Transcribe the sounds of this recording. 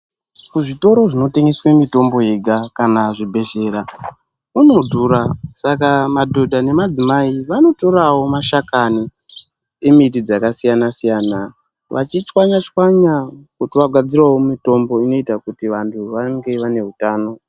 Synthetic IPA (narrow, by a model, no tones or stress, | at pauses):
kuʐito̞ɾo̞ʐino̞teŋɡeswemito̞mbo̞je̞ɡʱakanaʐibʱe̞ʒe̞ra | unodʱuːɾasakamadʱo̞dʱane̞mad͡zimaiʋano̞to̞ɾawo̞maʃakani | e̞mitid͡zakasijanasijaːna | ʋʔa̰t͡ʃit͡ʃwaɲat͡ʃwaɲakutiʋaɡʱad͡zirwawomito̞mbo̞ino̞itakutiʋantʰuʋaŋɡe̞ʋane̞ɦutaːno̞